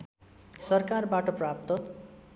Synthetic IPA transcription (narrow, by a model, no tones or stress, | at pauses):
sʌrkarbaʈʌprap̚t̪ʌ